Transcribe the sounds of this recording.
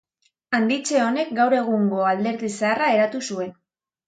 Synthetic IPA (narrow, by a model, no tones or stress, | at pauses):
and̪it͡ʃe̞o̞ne̞k̚ɡawɾe̞ɣ̞uŋɡo̞ald̪e̞ɾðisearae̞ɾat̪usue̞n